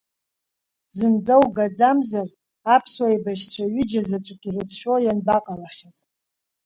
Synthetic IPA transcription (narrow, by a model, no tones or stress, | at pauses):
zɨnd͡zawɡad͡zamzar | apʰswajbaʃt͡sʷʰaɥɪd͡ʒazat͡sʷʼukʲʼirɨt͡sʰʃʷᶣojanbaqʼalaχʲaz